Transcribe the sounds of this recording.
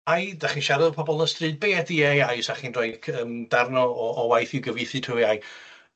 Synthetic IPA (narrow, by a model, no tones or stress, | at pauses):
ajdaχinʃaɾɪðpʰɔbɔlˠəstrɨːd̚beːdiejajʊsaχinrɔɨkʰəːmd̥arnɔɔːwajθɪwɡəvɨθɨd̥ʰruiaj